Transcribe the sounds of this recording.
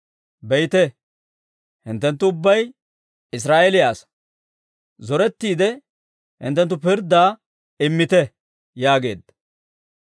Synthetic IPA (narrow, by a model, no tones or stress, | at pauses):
bɛjt̪ɛ | hɪnt̪ːɛnt̪ːʊʊbːɐj | ɪs̬ɾaːʔɛlɪjaːs | zɔɾɛt̪ːiːd̪ɛ | hɪ̰nt̪ːɛnt̪ːʊpɪɾd̪aː | ɪmːɪt̪ɛ | jaːɡe̞̰ːd̪ː